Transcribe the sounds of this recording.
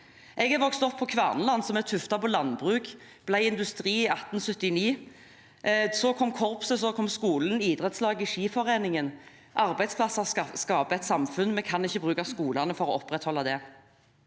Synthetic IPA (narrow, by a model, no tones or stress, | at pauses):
ʔɛɡɛʋɔkst̪ɔpʰːɔkʰʋæʁnlɑnːsɔmɛʁt̪ʰʉft̪ɑpʰɔlɑnbʁʉːk | b̥læɪɪnd̪ʉst̪ʁiːɪɑt̪n̩sɵt̪ːɪniː | sɔkʰɔmkʰɔʁpsəsɔkʰɔmskuːlən̩iːd̪ʁɛt̪slɑːɡɪʂiːfɔʁeːnɪŋən | ʔɑʁbæɪd̪spʰlɑsːɑskɑːpəɛt̪sɑmfʉnmɛkʰɑnɪçːəbʁʉːkɑskuːlɑnəfɔɾɔɔpʁɛt̪hɔlːɑd̪ɛ